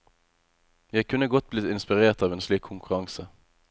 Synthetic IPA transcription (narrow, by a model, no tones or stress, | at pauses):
jæɪkʰʉnːəɡɔt̪̚bliːɪnspɪʁeːʁt̪ɑːʋeːnsliːkʰʊŋkʰʉʁɑŋsə